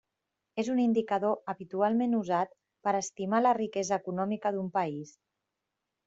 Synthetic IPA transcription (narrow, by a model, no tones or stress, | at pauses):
ezunind̪ikəðoəβit̪ualˠmenuzat̪ | pəɾəst̪imalərikɛzəːkunɔmikəðumpəis